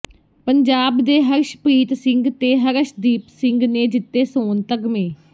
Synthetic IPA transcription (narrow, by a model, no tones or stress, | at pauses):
pəɲd͡ʒaːbd̪eːɦəɾʃpɾiːt̪sɪ̃ŋɡt̪eːɦəɾəʃd̪iːpsɪ̃ŋɡneːd͡ʒɪt̪ːeːsoːnt̪əɡmẽː